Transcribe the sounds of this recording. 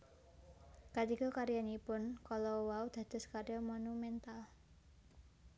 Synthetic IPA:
kat̪ikɔkaɾjanipʊnkalɔwaud̪̥ä̤d̪̥̤skarjamonumɛnt̪al

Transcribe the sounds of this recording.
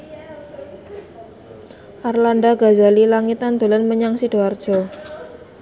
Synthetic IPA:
ʔarlandaɡa̤zalilaŋit̪and̪̥o̤lanməɲaŋsid̥oard̥ʒ̥ɔ

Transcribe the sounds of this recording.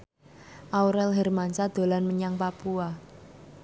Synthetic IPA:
ʔauɾɛlɦɛrmansad̪̥o̤lanməɲaŋpapua

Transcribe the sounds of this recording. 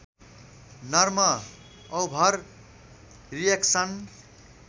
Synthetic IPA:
nʌrmʌ | ʌwbʱʌɾ | rijeksʌn

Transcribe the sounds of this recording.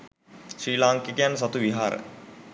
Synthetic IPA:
sɾiːlaːŋkikejanːs̬at̪uʋiɦaːɾə̰

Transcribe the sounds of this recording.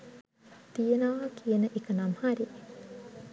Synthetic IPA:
t̪ienaːʋkʰijenɐʔikɐnɐmhɐɾi

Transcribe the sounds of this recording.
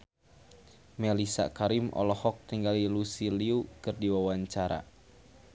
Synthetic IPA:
mɛlisa̰kaɾimɔ̰lɔhɔk̚t̪iŋɡalilusiliukɨrdiwawaɲt͡ʃaɾa̰

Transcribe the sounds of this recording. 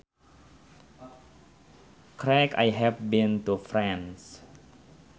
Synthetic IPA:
kʰɾɛkʰa̰jɦɛvbĩnt̪ufɹɛ̃ns

